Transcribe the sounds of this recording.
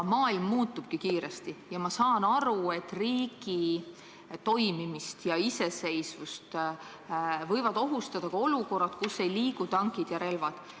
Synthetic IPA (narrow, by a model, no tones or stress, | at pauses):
mɑːilmːuːt̪ːˑub̥̚kikiːɾest̪ijɑmɑsɑːnɑɾue̞t̪ːˑriːɡ̥i | t̪o̞jmimist̪jɑise̞se̞jsvust̪ | vɤ̞jvɑd̪̥o̞ɦust̪ɑd̪̥ɑkɑo̞luko̞rːɑt̪kusːe̞jliːɡut̪ɑŋkid̪̥jɑɾe̞lvɑd̪̥